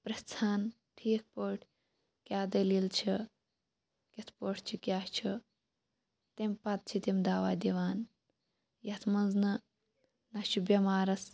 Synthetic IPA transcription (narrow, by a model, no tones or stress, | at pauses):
pɾɐst͡sʰaːn | ʈʰiːk̚ʰpəʈʰ | kʲaːd̪ɐlilt͡ʃʰi | kʲet̪ʰpəʈʰt͡ʃʰikʲaːt͡ʃʰi | t̪empɐt̪̚t͡ʃʰit̪emd̪aːʋaːd̪iʋaːn | jɐt̪ʰmɐnznɐ | nɐt͡ʃʰubʲɐmaːɾɐs